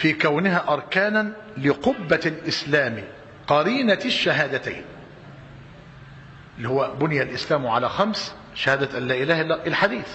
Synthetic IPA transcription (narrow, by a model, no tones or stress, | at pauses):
fiːkawnɪɦaːʔɑɾˤkaːnan | lɪqʊbːalʔɪslæːmi | qɑɾiːnaʃːaɦaːd̪at̪a̰jn | ʔʔɪlːihʊwːæbʊnɪjælʔɪslæːmʕalæːxams | ʃahaːd̪æt̪ʔanlæːʔɪlæːhʔɪlħad̪iːθ